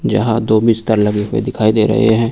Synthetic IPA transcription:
d͡ʒɐ̰ɦãd̪oːbiːst̪əɾlɐɡikwḛd̪ɪkʰaːid̪eːɾɐ̰ɦḛɦɛ̃ː

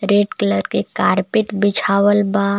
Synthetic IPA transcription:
ɾeʈkləɾkekaɾpɪʈbɪt͡ʃʰaʋəlba

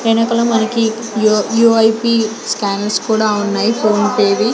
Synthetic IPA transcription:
eɳɐkɐlɐmɐnɐki | juːɐjpi | skaːnɐlskuːɽaːunːaːjipʰo̞ːnpeːd̪i

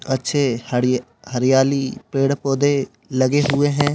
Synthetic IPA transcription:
ətːʃʰehə | həɾɪjaːlipeːɽpoːd̪e | lɐɡeɦʊeɦɛ̃ː

